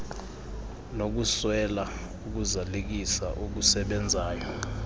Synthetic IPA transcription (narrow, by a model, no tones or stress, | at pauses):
nok̬uswɛla | uk̬uzalek̬isa̰ʔuk̬usɛɓɛnd͡zʱaːjɔ